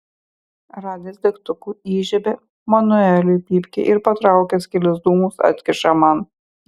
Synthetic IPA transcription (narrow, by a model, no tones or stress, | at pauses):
ɾɑːd̪ʲɪsd̪ʲɛkt̪ʊkuːiːʒʲɛbʲe | mɐnʊɛlʲʊjpʲiːpʲkʲḛʔɪɾpɐt̪ɾɑˑʊkʲɛskʲɪlʲɪzd̪uːmusɐ̰t̪ʲkʲɪʃɐmɑn